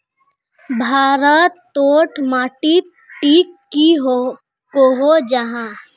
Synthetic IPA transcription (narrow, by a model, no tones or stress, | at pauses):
bʱaːɾət̪ː | oːʈmaːʈit̪ | ʈiːkːiɦo | koɦod͡ʒaɦã